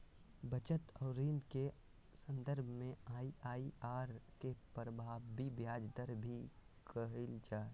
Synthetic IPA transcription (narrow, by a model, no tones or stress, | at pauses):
bət͡ʃət̪ɔːɾiːnke | sə̃nd̪əɾbʱmẽaːiaːiaːɾkepɾəbʱaːʋbibjaːd͡ʒd̪əɾbʱikʰəɦilt͡ʃaː